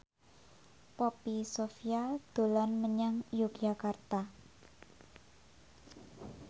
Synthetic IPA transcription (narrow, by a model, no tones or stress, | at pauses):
popisofiad̪̥o̤lanməɲaŋjukd͡ʒakart̪a